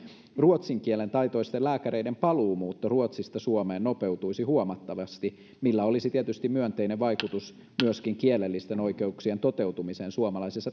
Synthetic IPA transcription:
ruot̪siŋkielent̪ɑjt̪o̞ist̪ellæːkæɾeidempɑluːmuːt̪ːoruot̪sist̪ɑsuomeːnnope̞wt̪uisihuomɑt̪ːɑʋɑst̪i | milːæolisit̪iet̪yst̪imyønt̪eineʋʋɑjkut̪us | myøskiŋkielelːist̪eno̞ikeuksient̪ot̪ewt̪umiseːnsuomɑlɑjsesːɑ

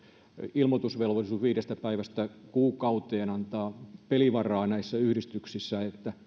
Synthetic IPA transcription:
ilmot̪usʋelʋolisuʋiːɾest̪æpæiʋæst̪ækuːkɑut̪eːnɑnt̪ɑːpeliʋɑrˑɑːnæisːæyhɾist̪yksisːæet̪ːæ

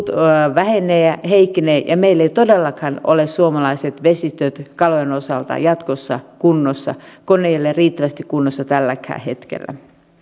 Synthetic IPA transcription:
t̪ʋæhenˑeːæheikːineːjʔɑmeilːeit̪odelːɑkhɑno̰lessuomɑlɑiset̪ʋesist̪øt̪kɑloenosɑ̰lt̪ɑ̰jɑt̪kosːɑ̰kunːosːɑ̰konejɑlːeriːt̪ːæʋæst̪ikkunːosːɑt̪ælːækhæ̰ːhet̪kḛlːæ̰

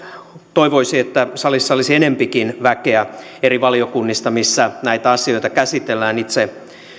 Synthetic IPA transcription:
t̪oiʋoisiet̪ːæsɑlisːɑolisienempikinʋækeæ | eriʋɑliokunːist̪ɑmisːænæit̪æɑsio̞it̪ɑkæsit̪elːæːnit̪se

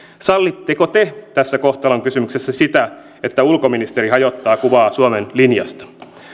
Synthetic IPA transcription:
sɑlːit̪ːekot̪et̪æsːæko̞ht̪ɑloŋkysymyksesːæsit̪æ | e̞t̪ːæulko̞minist̪eɾiɦɑjot̪ːɑːkuʋɑːsuomenlinjɑ̰st̪ɑ̥

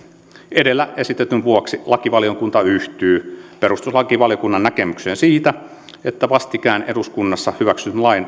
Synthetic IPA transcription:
edelːæesit̪ːet̪ynʋuoksilɑkiʋɑljokunt̪ɑyht̪yːpeɾust̪uslɑkiʋɑlijokunːɑnnækemykseːnsiːt̪æ | et̪ːæʋɑst̪ikæːnʔeduskunːɑsːɑhyʋæksyt̪nlɑin

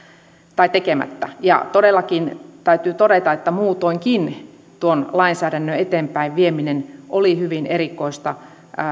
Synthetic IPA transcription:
t̪ɑit̪ekemæ̰t̪ːæ̰jɑ̰t̪odelːɑkint̪æyt̪yːt̪odet̪ɑet̪ːæmuːt̪oiŋkin | t̪uonlɑinsæːɾænːøet̪eːmpæiʋʋieminenʔolihyʋinerikoist̪ɑ

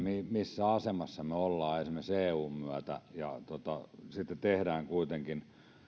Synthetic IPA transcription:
mimisːæɑsemɑsːɑmeolːɑːesimˑæseːuːmmyæt̪æ̰jɑt̪ot̪ɑsit̪ːett̪ehdæːŋkuit̪eŋkin

